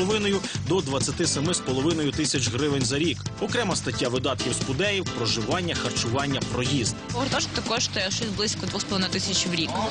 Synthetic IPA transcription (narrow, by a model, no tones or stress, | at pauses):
ɔʋɪnɔjʊd̪ɔd̪ʋɐt͡sʲːɐt̪ɪsɐmɪspɔlˠɔʋɪnɔjʊt̪ɪsʲɐt͡ʃɦɾɪʋenʲzɐɾʲikɔkɾɛmɐst̪ɐtʲːaʋɪd̪ɑt̪kʲiwspʊd̪ɛjiwpɾɔʒɪʋɑnʲːɐxɐrt͡ʃʊʋɑnʲːɐpɾɔjizd̪ɔɾt̪ɔʃt̪ɐkɔʃt̪ɔjɛʃɛzblˠɪsʲkɔd̪ʋuxspɔlˠɪnɪt̪ɪsʲɐt͡ʃʲwɾʲik